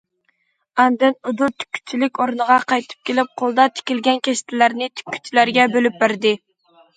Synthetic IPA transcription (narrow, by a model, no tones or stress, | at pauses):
ɑnd̪ɪnud̪uɾt̪ʰy̥kʲʰːy̥t͡ʃ̪ʰilɪkʲoɾnəʁɑqʰɑjt̪ʰɨ̥p̚kʲelɪp̚qʰolˠd̪ɑt̪ʰɪ̥kʲɪlɡʲɛnkʲʰɛʃt̪ʰɪlæɾnɪt̪ʰy̥kʲʰːy̥t̪ʰːilæɾɡʲɛbølyp̚bɪɾd̪ɪ